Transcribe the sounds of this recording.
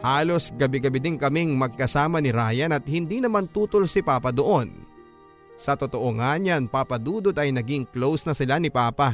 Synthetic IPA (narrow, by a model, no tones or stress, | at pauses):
haːlo̞sɡɐbɪɡɐbɪd̪ɪŋkɐmiŋmɐɡ̚kɐsaːmɐnɪɾaːjɐnɐt̪̚hɪnd̪iːnɐmant̪uːt̪olsɪpaːpɐd̪oʔo̞n | sɐt̪ot̪oʔoŋaɲɐnpapɐd̪uːd̪od̪ɐjnɐɡiŋklowsnɐsɪlanɪpaːpa